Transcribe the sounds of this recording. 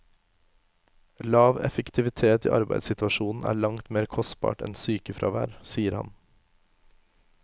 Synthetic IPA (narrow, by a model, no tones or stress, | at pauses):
lɑːʋɛ̰fəkt̪ʰɪʋɪt̪ʰeːt̪ḭːʔɑɾbæɪd̪sɪt̪ʋɑʃuːn̩ʔæ̰ːɭɑŋt̪meːɾkʰɔst̪̚bɑ̰ːʈɛ̰nsyːkəfɾʔɑ̰ːʋæːɾsiːəɾhɑ̰n